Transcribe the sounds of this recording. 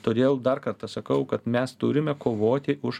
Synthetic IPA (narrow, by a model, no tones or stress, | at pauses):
t̪oːd̪ʲeːlˠd̪ɐrkɐɾt̪ɐsɐkɐʊkɐt̪mʲɛst̪ʊɾʲɪmʲɛkoːʋoːt̪ʲɪʔʊʃ